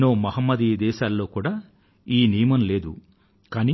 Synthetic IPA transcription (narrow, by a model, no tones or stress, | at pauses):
noːmɐɦɐmːɐd̪id̪ɛːʃaːlːo̞ːkuːɽaː | iːnijɐmɐnle̞ːd̪ṵ | kaːni